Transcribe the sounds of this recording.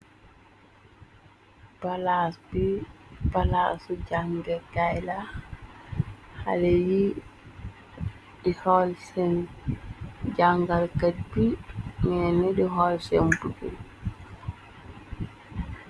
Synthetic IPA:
palasbipalasud͡ʒaŋɡɛkajla | ha̰leji | dihɔlsɛn | d͡ʒaŋɡalkadbimɛnɛɗiɦɔlsɛmbuɡɛ̰l

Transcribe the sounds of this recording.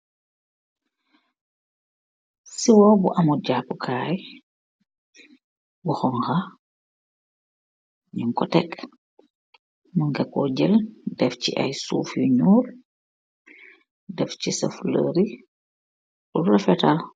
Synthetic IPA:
siwɔːbuʔɐmuɟapːkʰaːj | buxɔŋxɐ | ɲiŋkɔtɛk | muŋɡɛkɔɟəldɛfcḭʔɐ̰jsṵːfjuɲuːr | dɛfcisɐ̰flə̰ɾi | urɐfɛta

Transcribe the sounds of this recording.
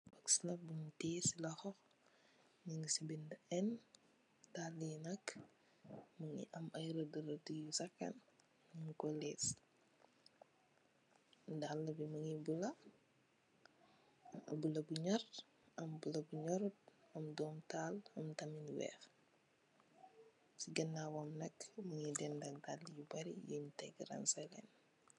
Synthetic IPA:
bɐksilɐbunteːsilɐxɔx | niŋsibindɛn | dalːinɐk | mɐŋḭʔɐmɐjɾɐdəɾɐdujusɐkːɐ̰n | niŋkɔlɛːs | dalːɐbimɐŋibulɐ | bulɐbuɲɐr | ɐmbulɐbuɲɔɾut̚ɐmdɔːmtaːlɐmtɐminwɛ̰ːx | siɡɐnːaːwamnɐkːmɐŋidɛndɐkdalːjubɐɾḭjuntɛɡɾa̰nsɛlɛ̰n

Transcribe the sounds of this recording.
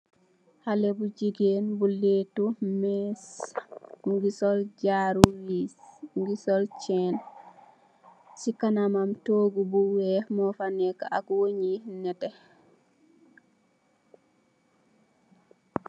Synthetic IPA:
halɛbud͡ʒiɡenbuletumɛs | ŋɡisɔld͡ʒaɾuwisŋɡisɔlt͡ʃɛn | sikanamamtoːɡubuwɛmɔfanɛkaakwoɲinɛtɛ

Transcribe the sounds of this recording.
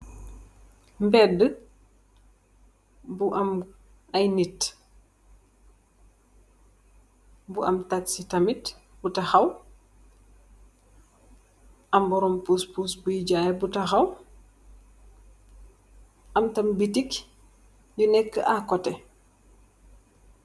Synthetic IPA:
mbɛdːə | buʔɐm | ɐjnit | buʔɐ̰mtatsitɐmitbutɐxɐw | ʔɐmbɔɾɔmpuspusbujiɟaːjɛbutɐxɐw | ʔɐmtɐmbitik | ɟunɛkːə̰ʔakɔtɛ

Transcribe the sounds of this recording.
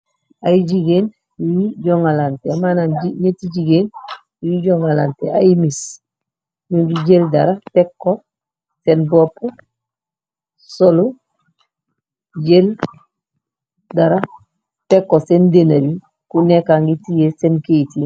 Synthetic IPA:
ajid͡ʒiɡeːn | iwiɟoŋalanteamananiɲetiɟiɡeːn | iwiɟoŋalantḛajimis | ɲuɡiɟeldaɾapekːo | senbopo | solu | ɟel | daɾa | pekːosendenabi | kunekaːŋɡitijesenkeiti

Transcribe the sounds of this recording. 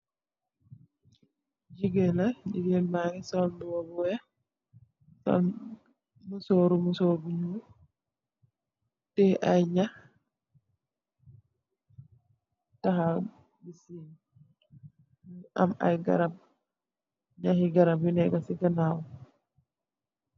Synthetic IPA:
d͡ʒiɡɛlad͡ʒiɡɛlmaɡɛsɔlduwɔbɔja | sɔ̰ | musoɾumusobuɲu | tɛʔajɲah | taɦa | bisin | ʔa̰ma̰jɡa̰ɾab̚ | ɲahiɡaɾabinɛɡasiɡanaːwɔ

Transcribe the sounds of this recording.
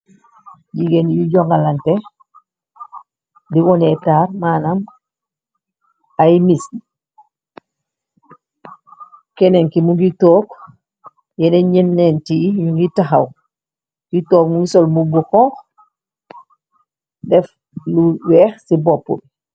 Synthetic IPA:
ɟiɡenjuɟoŋɡalante | diwonetaːɾmanam | ajmisn | keneŋkimuɡitoːk | jeneɲinːentiɲuŋɡitaɦaw | kitoːkmuɡisolmuɡuxɔŋk | dɛf | luwɛːxsibopːṵl

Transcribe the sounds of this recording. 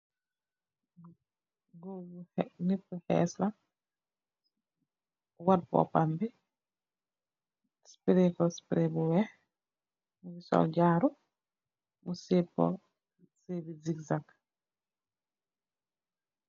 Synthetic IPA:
ɡunipːuhɛ̰ːsla | wad̚pɔ̰pambi | spɾekɔspɾebuwɛh | muɡisɔ̰lɟaɾu | musepːɔ̰ | sebiziɡzak

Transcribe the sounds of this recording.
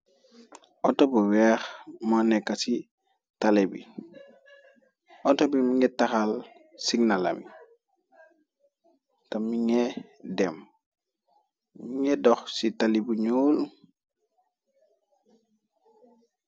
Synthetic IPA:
ʔɔtɔbuwɛxmanɛkːasi | talebḭ | ʔɔtɔbimiŋɛtaxal | siɡnala̰mi | tamiŋɛdɛm | miŋɛdɔxsitalibuɲoːlu

